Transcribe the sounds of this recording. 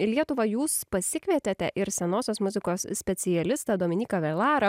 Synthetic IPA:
lʲiɛt̪ʊʋɐjuːspɐsʲɪkʲʋʲɛt̪ʲet̪ʲɛʔɪɾsʲɛnoːsʲoːsmʊzʲɪkoːssʲpʲɛt̪sʲɪjɛlʲɪst̪ɑd̪oɔmʲɪnʲiːkɐʋʲɛlˠɑːɾɐ

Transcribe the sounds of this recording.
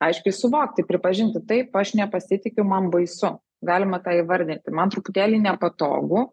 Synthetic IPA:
ɐɪʃʲkʲɪsʊʋoːkt̪ʲɪpʲɾʲɪpɐʒʲɪnʲt̪ʲɪt̪ɐɪpɐʃnʲɛpɐsʲɪt̪ʲɪkʲʊmɐnbɐɪsʊ | ɡɑːlʲɪmɐt̪ɑːiʋɐɾʲd̪ʲɪnʲt̪ʲɪmɐnt̪ɾʊpʊt̪ʲæːlʲiːnʲɛpɐt̪o̰ːɡʊ

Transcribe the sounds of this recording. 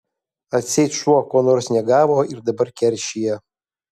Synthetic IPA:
at͡sʲejtʃʷuakʷʼɔnorsnʲɛɡavoirdabɐrkʲʰɛrʃijɛ

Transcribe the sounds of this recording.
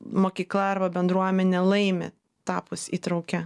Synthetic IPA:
moːkʲiːklˠɐɐɾbɐbʲɛnd̪ɾuɔmʲɛnʲɛlˠɐɪmʲḛ | t̪ɑːpʊsḭːt̪ɾɐʊkʲɛ

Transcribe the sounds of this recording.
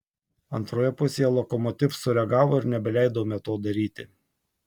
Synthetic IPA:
ɐnt̪ɾoːjɛpʊsʲeːjɛlˠɔkɔmɔt̪ʲɪfsʊɾʲɛɡɑːʋoːɪɾnʲɛbʲɛlʲæˑɪd̪ɐoːmʲɛt̪oːd̪ɐɾʲiːt̪ʲɪ̰

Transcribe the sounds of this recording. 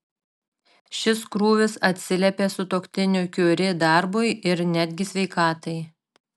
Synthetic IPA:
ʃʲɪskɾuːʋʲɪsɐt̪ʲsʲɪlʲɛpʲeːsʊt̪oːkt̪ʲɪnʲʊkʲuːɾʲɪd̪ɑˑɾbʊɪɪɾnʲæd̪ʲɡʲɪsʲʋʲɛɪkɑːt̪ɐɪ

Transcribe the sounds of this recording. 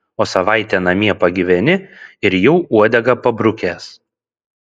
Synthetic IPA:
oːsɐʋɑˑɪt̪ʲɛːnɐmʲiɛpɐɡʲɪʋʲɛnʲɪɪɾjɛʊuɔd̪ʲɛɡɐpɐbɾʊkʲeːs

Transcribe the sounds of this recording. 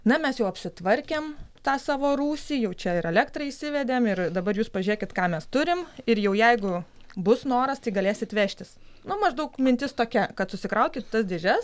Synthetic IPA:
nɐmʲɛsjɛʊɐpʲsʲɪt̪ʋɐɾʲkʲeːmt̪ɑːsɑːʋoːɾuːsʲiːjɛʊt͡ʃʲɛɪɾɛlʲækt̪rɐisʲɪʋʲɛd̪ʲeːmɪrd̪ɐbɐɾjuːspɐʒʲʉɾʲeːkʲɪt̪kɑːmʲɛst̪ʊɾʲɪmɪrjɛʊjɛɪɡʊbʊsnoːɾɐst̪ɐɪɡɐlʲeːsʲɪt̪ʋʲæːʃʲt̪ʲɪsnʊmɐʒd̪ɐʊkmʲɪnʲt̪ʲɪst̪oːkʲɛkɐt̪sʊsʲɪkɾɐʊkʲɪt̪t̪ɐsd̪ʲeːʒʲɛs

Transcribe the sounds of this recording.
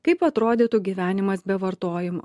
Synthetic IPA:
kɐɪpɐt̪ɾoːd̪ʲɪːt̪uɡʲiʋʲæːnʲɪmɐsbʲɛʋɐɾt̪oːjɪmo̰

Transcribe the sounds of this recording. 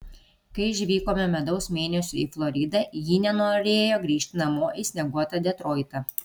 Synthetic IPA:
kɐɪɪʒʲʋʲiːkoːmʲɛmʲɛd̪ɒʊsmʲeːnʲɛsʲʊiflˠɔɾʲɪd̪ɐjiːnʲɛnoːɾʲeːjoːɡɾʲiːʃʲt̪ʲɪnɐmoːʔisʲnʲɛɡuɔt̪ɐd̪ʲɛt̪ɾoːɪt̪ɐ

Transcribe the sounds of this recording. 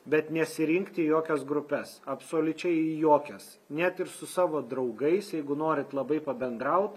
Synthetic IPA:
bʲɛt̪nʲɛsʲɪɾʲɪŋkt̪ʲijoːkʲɛsɡɾʊpʲɛsɐpsoːlʲʊt͡ʃʲɛɪjoːkʲɛs | nʲæt̪ɪɾsʊsɑːʋoːd̪ɾɐʊɡɐɪsjɛɪɡʊnoːɾʲɪt̪lˠɐbɐɪpɐbʲɛnd̪ɾɐʊt̪

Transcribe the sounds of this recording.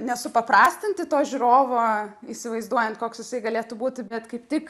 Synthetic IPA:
nʲɛsʊpɐpɾɑːsʲt̪ʲɪnʲt̪ʲɪt̪oːʒʲuɾoːʋoːiːsʲɪʋɐɪzd̪uɔjɛnt̪koːksjɪsɐɪɡɐlʲeːt̪ʊbuːt̪ʲbʲɛt̪kɐɪpt̪ʲɪk

